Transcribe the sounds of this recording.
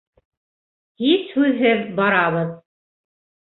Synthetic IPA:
hishʉðɦɘðbɑɾɑβɤð

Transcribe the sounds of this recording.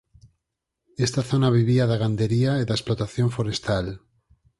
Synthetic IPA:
est̪aθo̞naβ̞iβ̞iaðaɣand̪eɾiaeðaesplot̪aθjo̞ɱfoɾest̪al

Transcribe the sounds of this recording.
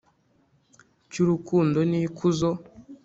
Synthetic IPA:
cuɾukuːndonikuzo

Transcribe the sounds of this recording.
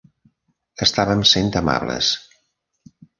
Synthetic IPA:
əst̪aβəmsent̪əma̰βlə̰s

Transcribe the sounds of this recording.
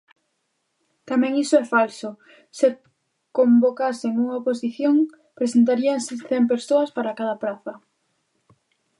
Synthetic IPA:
t̪amɛ̃ŋisoɛfalsʊ | se | kombokaseŋuŋaoposiθjoŋ | pɾesent̪̬aɾiaŋseθɛmp̬eɾsoɐspaɾakaðapɾaθɐ

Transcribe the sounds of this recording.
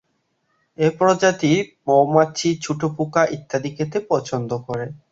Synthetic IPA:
epɾod͡ʑat̪iɾmowmaːt͡ɕʰit͡ɕʰuʈʰopukaʔit̪ʰːad̪iket̪epɔt͡ɕʰond̪okoɾe

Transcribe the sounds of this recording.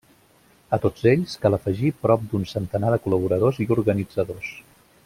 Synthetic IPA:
ət̪od͡zeʎskaləfəʒipɾɔp̚d̪unsənt̪ənaðəkuləβ̞uɾəð̞oziuɾɣənid͡zəðos

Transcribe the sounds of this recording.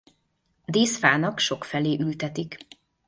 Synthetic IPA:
d̪eːsfaːnɒkʃo̞kfɛleːʔylt̪ɛt̪ik

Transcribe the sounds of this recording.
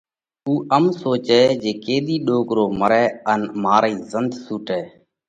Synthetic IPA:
uːʔəmsoːt͡ʃɛːd͡ʒeːkeːɗ̪iːɗoːkɾoːməɾɛːənmaːɾiːzənd̪suːʈɛː

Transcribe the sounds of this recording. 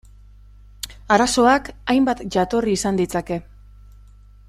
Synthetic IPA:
aɾaso̞akajmbat̪ʝat̪o̞riːsand̪it͡sake̞

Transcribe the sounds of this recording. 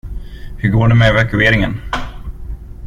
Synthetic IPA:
hɵɾɡoːɖɛmɛvakɵeːɾɪŋən

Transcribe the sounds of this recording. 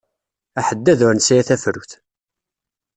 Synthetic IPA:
æħəd̪ːæðʊɾnsijæθæfɾuθ

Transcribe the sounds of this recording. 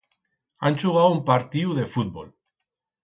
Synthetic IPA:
a̰nʲt͡ʃuɣ̞awumpaɾt̪iuðe̞fut̪̚bo̰l

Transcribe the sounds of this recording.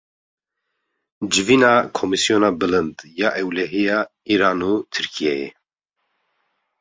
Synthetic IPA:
d͡ʒɨviːnɑːkʰomisijoːnɑːbɨlɨnd̪jɑːʔɛwlɛɦijɑː | iːɾaːnuːt̪ʰɨɾkʰijɛjḛ

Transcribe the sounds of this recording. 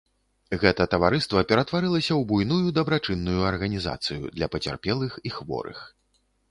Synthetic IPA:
ɣɛt̪ɐt̪ɐvaɾɨst̪vɐpʲɛɾɐt̪vaɾɨlˠɐsʲɐwbujnujud̪ɐbɾat͡ʂɨnːujuɐrɣɐnʲiza̰t̪sɨjṵd̪lʲɐpɐt͡sʲa̰rpʲɛlˠɨxixvɔ̰ɾɨ̰x

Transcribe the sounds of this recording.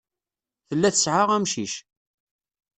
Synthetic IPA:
θəlːæθəsʕaʁæmʃiʃ

